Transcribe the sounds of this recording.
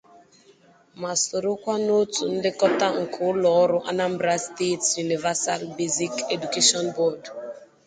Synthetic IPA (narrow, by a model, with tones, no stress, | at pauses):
ma˨so˨ɾʊ˦kʷa˦no˦tu˨n̩˦dɪ˦kɔ˦ta˦ŋ̩˨kʰʊ˨˦ʊ˦lɔ˨ɔ˦ɾʊ˦ʔa˦na˦m̩˦bɾa˦ste˦tju˨ni˨va˦sa˦lbe˦zi˦ke˨du˨ke˦ʃɔ˦nbɔ˦˨d